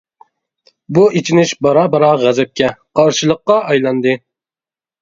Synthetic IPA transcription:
buet͡ʃʰinɪʃbɑɾɑbɑɾɑʁæzɛp̚kʲɛqʰɑɾʃɨlˠəqːɑɑjlˠɑnd̪ɨ

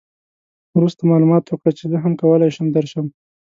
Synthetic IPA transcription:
wɾust̪amɑlumɑt̪wəkɽət͡ʃezəɦamkawəlajʃəmd̪əɾʃəm

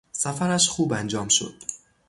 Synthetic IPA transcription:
sæfæɾæʃxuːbænd͡ʒɒːmʃo̞̰d̪̥

